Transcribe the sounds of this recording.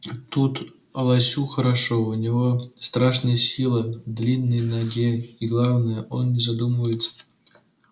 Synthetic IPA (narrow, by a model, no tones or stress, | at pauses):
t̪ut̪ | ɐlˠɑsʲuxəɾaʂounʲivost̪raʂnəjəsʲilˠəd̪lʲinːəjnaɡʲeiɡlˠɑvnəjəʔonːʲɪzad̪uməvəjɪt̪t͡ssə̥